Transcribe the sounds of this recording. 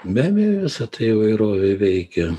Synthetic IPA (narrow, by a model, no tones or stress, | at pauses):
mʲæːmʲejoʋʲɪsɐt̪ɐɪɪʋɐɪɾoːʋʲeʋʲɛɪkʲɛ